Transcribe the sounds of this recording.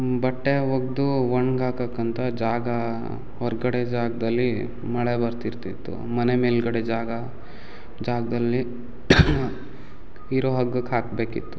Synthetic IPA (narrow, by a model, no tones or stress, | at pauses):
bɐʈːeɦoɡ̚d̪uʋɐɳɡaːkɐkːɐnt̪ʰɐd͡ʒaːɡɐ | hɔɾɡɐɽed͡ʒaːɡɐd̪ɐlːi | mɐɭebɐɾt̪iɾt̪it̪ːṵmɐnemeːlɡɐɽed͡ʒaːɡɐ | d͡ʒaːɡɐd̪ɐlːi | iɾoɦɐɡɐkaːkbeːkḭt̪ːu̥